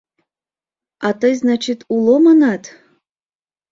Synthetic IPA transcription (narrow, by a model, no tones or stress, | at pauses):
ɑt̪əjznɑt͡ɕit̪ulˠomɑnɑt̪